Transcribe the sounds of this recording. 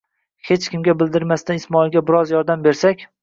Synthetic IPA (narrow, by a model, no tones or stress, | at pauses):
he̞t͡ʃkʲɪmɡʲabɪld̪ɪɾmast̪anɪsmɒɪlˠɡʲabɪɾɒzjɒɾd̪ambe̞ɾsakʲ